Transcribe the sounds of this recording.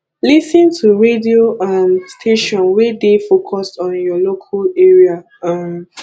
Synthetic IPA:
lisĩntʰuɹedioʔamstʰeʃɔ̃nwɛdefokʰɔstɔ̃njɔlokʰaleɹia | am

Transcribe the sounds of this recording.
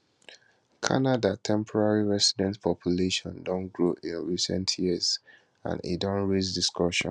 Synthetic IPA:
kʰa̰nadatʰɛ̃mpʰɔɹaɹiɹɛsidɛ̃ntpʰɔpʰjuleʃɔ̰̃ndɔ̃nɡɹoʔĩnɹisɛ̰̃ntʰjiəz | ã̰nḭdɔ̃nɹezdiskɔʃɔ̰̃n

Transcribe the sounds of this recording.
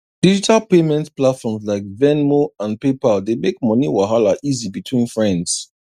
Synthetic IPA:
d̥id͡ʒitʰalpemɛ̃ntplatfɔmzlaɪk̚vɛnmoãnpepaldemek̚mɔniwaɦalaʔizibitʰwĩnfɹɛ̃nds

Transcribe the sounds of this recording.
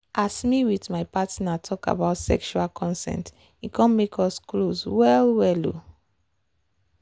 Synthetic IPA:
ʔasmiwitmaɪpatnatʰɔka̰baʊtsɛ̰kʃualkʰɔ̃nsɛ̰̃nt | ikʰɔ̃nmekʰɔskloswɛlwɛlo̰

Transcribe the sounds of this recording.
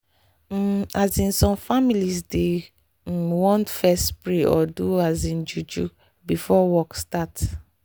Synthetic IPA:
azĩnsɔ̃mfamilisde | wɔ̃ntfɛstpɹeʔɔ̰duazĩnd͡ʒud͡ʒu | bifɔwɔkstat

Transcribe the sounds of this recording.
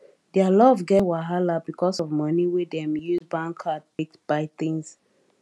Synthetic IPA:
dɛalɔvɡɛwaɦalabikʰɔsɔvmʌniwidɛ̃mjuzbãŋkʰatek̚tb̥aɪtĩŋs

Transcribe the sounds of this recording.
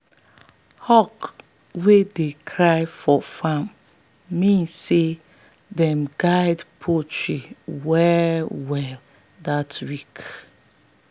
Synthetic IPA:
hɔk | wedekʰɹaɪfɔfãmː | ĩnsːe | dɛ̃mɡaɪdpʰot͡ʃɹiwɛwɛl | datwik

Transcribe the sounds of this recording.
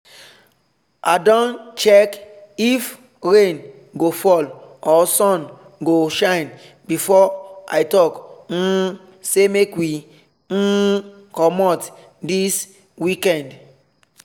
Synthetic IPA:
adɔ̃nt͡ʃɛkif | ɹẽn | ɡofɔlɔsɔ̃n | ɡoʃãɪ̃n | bifɔa̰jtɔkn̩ | semekwi | n̩ | kɔmɔt | dis | wikɛ̃nd

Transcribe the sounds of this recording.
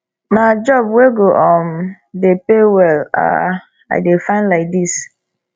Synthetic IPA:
nad͡ʒɔbweɡoʔɔm | depewɛla̰ | a̰ɪdefãɪ̃ndlaɪk̚dis

